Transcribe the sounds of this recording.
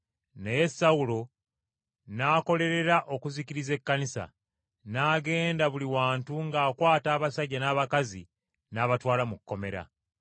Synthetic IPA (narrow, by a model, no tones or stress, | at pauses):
neje̞sːawulo̞ | naːko̞le̞ɾe̞ɾaʔo̞kuziciɾize̞kːanisa̰ | naːɡe̞ːndaβuliwaːntuŋɡaːkwaːtaːβasaɟːanaːβakazi | naːβatwaːlamukkːo̞me̞ɾa̰